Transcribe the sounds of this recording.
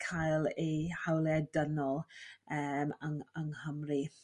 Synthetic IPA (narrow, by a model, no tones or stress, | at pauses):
kʰajlˠejhawlɛdənɔlˠəːmaŋaŋhəmri